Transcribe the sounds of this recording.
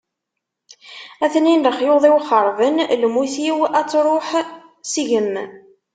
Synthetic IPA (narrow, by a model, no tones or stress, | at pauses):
æθninləχjoðˤiwχəɾˤvənlmuθiwæt͡sːɾˤoħ | siʝəmː